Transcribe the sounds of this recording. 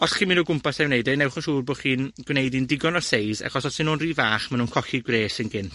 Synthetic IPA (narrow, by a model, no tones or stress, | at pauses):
ɔsχiminɔɡʊmpasawnejdɛnɛwχɔʃuːrboːχiːnɡ̥wnejdindɪɡɔnɔsejza̰χɔsɔsɪnunriːvaːχmanuːnkʰɔxiɡwreːsənɡɪn